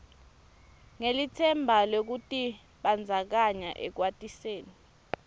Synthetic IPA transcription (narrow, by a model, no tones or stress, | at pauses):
ŋelitʰɛmbʱalok̬utʼi | ɓand͡zʱak̬aɲa̰ʔɛ̰k̬watʼiseːni